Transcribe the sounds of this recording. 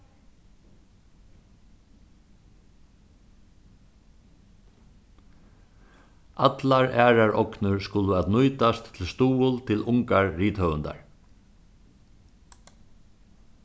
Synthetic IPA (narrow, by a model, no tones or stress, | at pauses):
ʔat̪laɹæːɾaɹʔɔknʊɹskʊləat̪nʊjt̪ast̪ʰːɪlst̪uːʊlt̪ʰɪlʊŋkaɹːiːt̪hœvənd̪a̰ɹ